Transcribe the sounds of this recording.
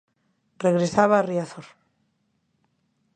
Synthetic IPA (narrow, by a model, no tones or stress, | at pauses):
reɣɾesaβaːriaθoɾ